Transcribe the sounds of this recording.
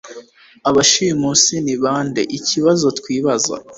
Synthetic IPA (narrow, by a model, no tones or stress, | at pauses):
aβaʃijmusiniβaːndḛʔiciβazo̞twiːβaza̰